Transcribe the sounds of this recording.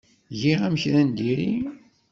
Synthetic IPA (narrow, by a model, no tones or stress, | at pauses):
ʝiʁæmçɾænd̪iɾi